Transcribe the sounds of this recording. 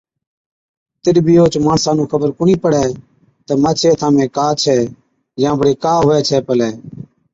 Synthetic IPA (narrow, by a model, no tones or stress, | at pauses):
t̪ɪɾbʱiːoːt͡ʃmaːɳsãːnũːkʰəbəɾkʊɳiːpəɽɛː | t̪əːmaːt͡ʃʰeːt̪ʰãːmẽːkaːt͡ʃʰɛː | jãːbəɽeːkaːɦʊːɛːt͡ʃʰɛːpəlɛː